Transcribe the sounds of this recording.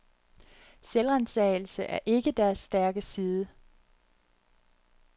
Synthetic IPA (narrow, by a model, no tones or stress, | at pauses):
selʁænsɛːɪl̩səʔæɐʔe̝ɡ̥əd̥æɐsːd̥æɐɡ̥əsiːð̞ˠə